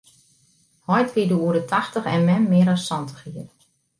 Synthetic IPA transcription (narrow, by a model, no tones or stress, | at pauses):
hɔjtʋidəuəɾdətʰaxtəxɛ̰nmɛnmɪəɾɔssɔntə̥xiər